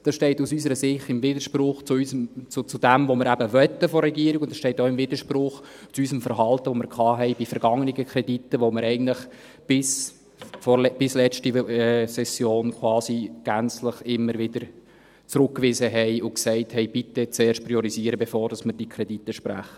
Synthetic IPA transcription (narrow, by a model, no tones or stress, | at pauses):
d̥ɑsʃtɛɪtusysəɾəsɪχtɪmvɪdəɾʃprʊχt͡suysəmt͡sʊt͡sʊd̥æmvomɪɾæbəʋœt̪ːəfɔɾɛɡiəɾiɡʊnd̥̪ɑsʃtɛɪtoɪmvɪd̪əʃprʊχt͡suysəmfəɾɦɑltəʋomɪɾkʰχɑːɦɛɪbifəɾɡ̥ɑŋəniɡəkʰɾɛditːəʋomɪɾɛɪɡən̩dtləχ | b̥ɪs | fɔlb̥ɪslɛt͡ʃtiɛsɛsjoːnkʰwɑːsiɡ̥ænt͡sləχɪmːəɾvɪd̪əɾ | t͡sɾʊkkːʋɪzəɦɛɪʔʊksɛɪthɛɪb̥ɪtːət͡seːɾʃt̚pɾiɔɾiziːəɾəbefoːɾd̥ɑsməɾd̥iːkʰɾɛd̥itːəʃpɾæ̰χə